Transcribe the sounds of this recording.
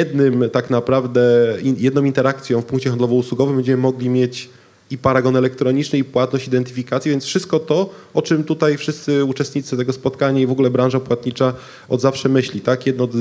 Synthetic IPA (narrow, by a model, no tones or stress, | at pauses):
ɛd̪nɘmt̪aknapɾavd̪ɛijɛd̪nɔ̃w̃int̪ɛɾakt̪sʲjɔ̃w̃fpuŋkt͡ɕɛxand̪lɔvɔuswuɡɔvɘmbɛɲd͡ʑɛmɘmɔɡlʲimʲjet͡ɕ | ipaɾaɡɔnɛlɛk̚t̪ɾɔɲit͡ʂnɘipwat̪nɔɕt͡ɕid̪ɛnt̪ɘfʲikat̪sʲjɛvjɛnsfʂɘst̪̚kɔt̪ɔ | ɔt͡ʂɘmt̪ut̪ajfʂɘst̪sɘut͡ʂɛst̪ɲit̪sɨt̪ɛɡɔspɔt̪kaɲaivɔɡulɛbɾãʐapwat̪̚ɲit͡ʂa | ɔd̪zafʂɛmɘɕlʲit̪akjɛd̪nɔ